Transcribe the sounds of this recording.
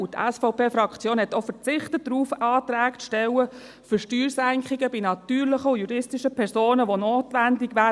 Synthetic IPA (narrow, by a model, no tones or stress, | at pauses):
ut̪ʰɛ̰sfɔʊpeːfɾɑkʰt͡sjoːnhɛtofəɾt͡sɪχtət̚dɾuːfɑːtɾæːktʃtɛwə | fʏʃtyːɾsæŋkχɪɡəbinɑt̪yːɾlɪχəujuɾɪstiʃəpʰɛɾsoːnəʋonoːtʋændɪɡ̥ʋæː